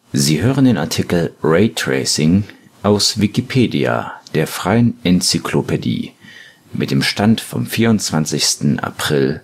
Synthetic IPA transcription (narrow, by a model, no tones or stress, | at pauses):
ziːɦøːʁəndeːnaɐtʰikl̩ʁɛɪtʁ̥ɛ̰ːsɪŋ | ʔaʊsvikipʰeːdia̰d̥eːɐfʁ̥aɪənʔɛnt͡sikʰlopʰedḭː | mɪt̚d̥eːmʃtantfɔ̰mfiːɐʊntt͡sv̥ant͡sɪçstn̩ʔa̰pʁ̥ɪl